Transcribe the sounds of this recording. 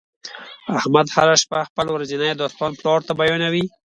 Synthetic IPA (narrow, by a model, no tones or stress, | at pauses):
ahmad̪ha̰ɾaʃpaxpəlwɾazinajd̪ost̪ɑnplɑɽt̪abajɑnawi